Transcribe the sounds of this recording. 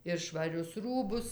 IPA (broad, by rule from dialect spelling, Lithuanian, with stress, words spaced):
ɪr ʃʋɐˈrʲʊs ˈruːbʊs